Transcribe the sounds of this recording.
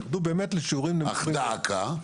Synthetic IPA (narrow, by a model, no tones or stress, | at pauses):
χd̪ubeːmet̪leʃuʁimlea̰id̪aakʰa